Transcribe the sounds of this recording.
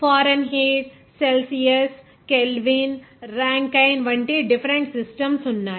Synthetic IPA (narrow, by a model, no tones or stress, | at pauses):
faːɾɐnɦeːʈ | selsijes | kelɖʋiːnɾãːŋkaɪnʋɐɳʈeɖɪfɾẽɳʈsɪsʈɐmsunːaː